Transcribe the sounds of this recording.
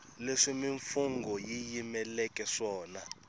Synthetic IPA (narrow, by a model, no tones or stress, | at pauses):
leʂimiɱfuŋɡɔjijimɛlɛkʼɛʂɔːna